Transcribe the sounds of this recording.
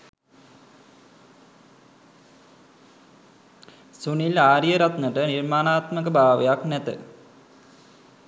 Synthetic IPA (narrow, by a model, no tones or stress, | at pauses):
sunilaːɾjəɾɐt̪nəʈənirmaːnaːt̪məkəbʱaːʋejaknæt̪ɨ̰